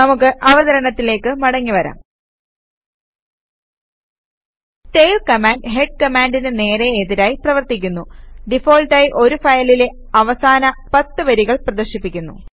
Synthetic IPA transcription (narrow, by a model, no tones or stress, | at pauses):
nɐmukːɨʔɐʋɐðɐɾɐɳɐt̪ːile̞ːkːɨmɐɽɐŋːiʋɐɾa̰ːm | teːjlkɐmaːɳɖɦe̞ɖ̚kɐmaːɳɖinɨne̞ːɾeeðiɾaːjiprɐʋɐrt̪ik̬ʲːunːuɖifo̞ːlʈaːjiʔo̞ɾufɐjɐlile̞ | ɐʋɐsaːnɐpɐt̪ːɨʋɐɾiɣɐɭprɐd̪ɐrɕipːikʲːunːṵ